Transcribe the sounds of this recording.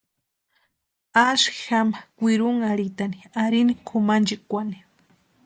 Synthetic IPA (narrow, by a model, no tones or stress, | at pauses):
aʃki̥xamakʷiɾuŋaɾit̪aniaɾinikʰʊmand͡ʒikʷani̥